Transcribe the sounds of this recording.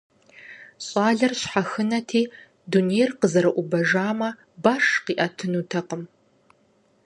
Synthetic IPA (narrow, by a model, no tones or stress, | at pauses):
ɕʼaːɮɐrɕħaxɨnɐtʰiː | dunejrqəzɐɾɐʔʷʊbɐʒaːmɐ | baːʂqiːʔɐtʰɨnuːtʰɐqəm